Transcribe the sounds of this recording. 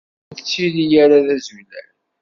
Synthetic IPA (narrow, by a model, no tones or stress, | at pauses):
ðət͡sːilijaɾaðæzulæn